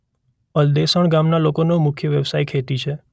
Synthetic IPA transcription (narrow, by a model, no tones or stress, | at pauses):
əld̪esəɳɡamnalokonomʊkʰjəʋjəʋsajkʰet̪it͡ʃʰe